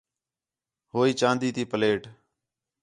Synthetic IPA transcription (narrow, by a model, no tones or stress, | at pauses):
ɦoːiːt͡ʃãːnd̪iːt̪iːpəleːʈ